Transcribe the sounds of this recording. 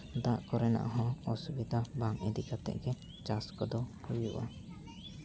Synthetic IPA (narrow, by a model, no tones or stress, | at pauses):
d̪aʔkɔɾɛna̰ʔɦɔ̃ɔsubid̪ʱabaŋɛd̪ikat̪ɛ̰ʔɡɛ | t͡ʃaskɔd̪ɔhujuʔa